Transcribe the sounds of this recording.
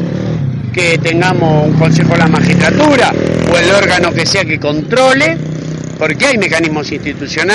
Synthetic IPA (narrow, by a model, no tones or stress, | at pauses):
ket̪eŋɡamosuŋko̞ns̬exolamaxist̪ɾat̪uɾaoelo̞ɾɣano̞keseakeko̞nt̪ɾo̞le | po̞ɾkeajme̞kanizmo̞sinst̪it̪usjo̞na